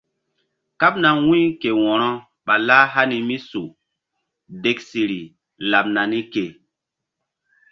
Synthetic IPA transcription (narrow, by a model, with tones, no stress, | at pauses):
ka˦pna˨wũ˦i˦ke˨wɔ˨ɾɔ˦ | ɓa˨laː˦ɦa˦ni˨mi˦su˨ | de˨ksi˨ɾi˨ | la˨p̚na˨ni˦ke˨